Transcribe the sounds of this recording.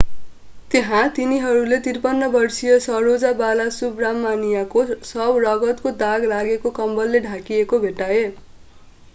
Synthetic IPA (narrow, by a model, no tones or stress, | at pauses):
t̪eɦãt̪iniɦʌɾulet̪irpʌnːʌbʌrsijʌsʌɾod͡zabalasubramːanijakosʌbrʌɡʌt̪kod̪aɡlaɡekokʌmbʌlːeɖʱakiekobʱeʈae